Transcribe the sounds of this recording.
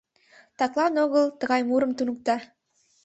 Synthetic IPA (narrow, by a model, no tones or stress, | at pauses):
t̪ɑklˠɑnoɣəlˠt̪ə̆ɣɑjmuɾə̆mt̪unŭk̚t̪ɑ